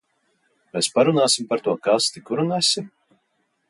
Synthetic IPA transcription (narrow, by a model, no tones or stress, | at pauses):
mɛspaɾunaːsʲimpaɾt̪uɔkast̪ikuɾunasʲim